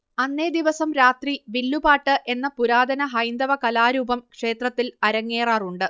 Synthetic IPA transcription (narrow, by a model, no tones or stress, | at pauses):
ɐnːeːd̪iʋɐsɐmɾaːt̪riʋilːubaːʈːɨʔe̞nːɐpuɾaːd̪ʱɐnɐɦɐjnd̪ɐʋɐkɐlaːɾuːbɐmkʂe̞ːt̪rɐt̪ːilɐɾɐŋːeːraːruɳɖɨ